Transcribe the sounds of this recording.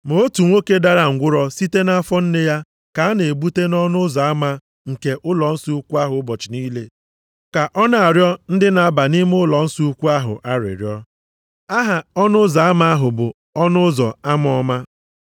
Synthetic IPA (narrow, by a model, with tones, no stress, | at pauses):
mo˨o˦tu˨ŋʷo˦ke˦da˦ɾa˨ŋ̩˨ɡʷʊ˦ɾɔ˦si˦te˦na˦fɔ˦n̩˦ne˦ja˦ | ka˨a˦ne˨e˨bu˦te˦nɔ˦nʊ˦zɔ˨a˦ma˦ | ŋ̩˨ke˨ʔʊ˦lɔ˨n̩˦su˦u˦kʷu˦a˦ɦʊ˨˦bɔ˨t͡ʃɪ˨niː˦le˨ | ka˨ʔɔ˦na˨a˨ɾjɔ˦n̩˦dɪ˦na˨a˦ba˨ni˦m˦ʊ˦lɔ˨n̩˦su˦u˦kʷu˦a˦ɦʊ̰˨ʔa˦ɾɪ̰˨ɾjɔ˦ | a˦ɦa˨ɔ˦nʊ˦za˨a˦ma˦a˦ɦʊ˨bʊ˨ | ɔ˦nʊ˦zɔ˨a˦m˦ɔ˦ma˦